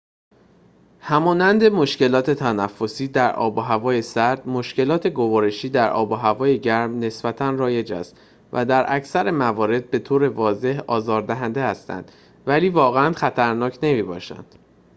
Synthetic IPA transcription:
hæmɒːnænd̪e̞mo̞ʃce̞lɒːt̪ʰe̞t̪ʰænæfːo̞siːd̪æɾʔɒ̰ːboɦævɒːje̞sæɾd̪mo̞ʃce̞lɒːt̪ʰe̞ɡo̞vɒːɾe̞ʃiːd̪æɾɒ̰ːboɦævɒːje̞ɟæɾmne̞sbæt̪ʰænrɒːje̞d͡ʒæ̰st̪ | vʔæd̪æɾʔæcʰsæɾemævɒːɾe̞d̪̚be̞t̪ʰoːɾe̞vɒːze̞hɒːzɒːɾd̪æɦænd̪e̞hæst̪æ̰nd̪̥ | væliːvɒːɣeænχæt̪ʰæɾnɒːcʰne̞miːbɒ̰ːʃæ̰nd̪̥

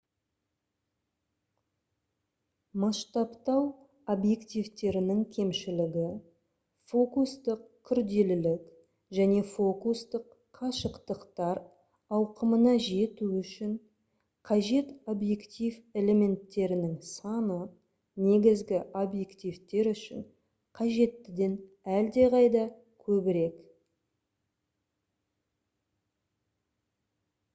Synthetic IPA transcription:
mɑʃt̪ɑpt̪ɑw | obje̞kt̪ijvt̪e̞ɾɪnɪŋkʲʰe̞mʃɪlɪɡʲɪ | fo̞kust̪əqkʲʰʏɾd̪e̞lɪlɪk | ʒæne̞fo̞kust̪əqʰːɑʃəqt̪əqt̪ɑɾ | ɑwqəmənɑʒe̞t̪uʏʃɪŋ | qʰɑʒe̞t̪o̞bje̞kt̪ʲijve̞le̞me̞nt̪ːe̞ɾɪnɪŋsɑnə | ne̞ɡʲɪzɡʲɪobje̞kt̪ijvt̪e̞ɾʏʃɪ̰ɴ | qʰɑʒe̞t̪ːɪd̪e̞n | æld̪e̞ʁɑjd̪ɑ | kʲʰɵbɪɾe̞k

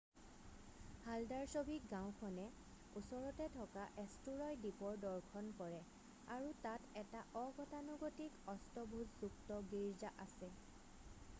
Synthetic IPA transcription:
haldaɹsobʱik̚ɡãw̃kʰɔnɛ | usɔɹɔtɛtʰɔkaʔestuɹɔjdipɔɹdɔɹkʰɔnkɔɹɛ | aɹutatɛtaʔɔɡɔtanuɡotikɔstɔbʱuzzuktɔɡiɹzaʔasɛ

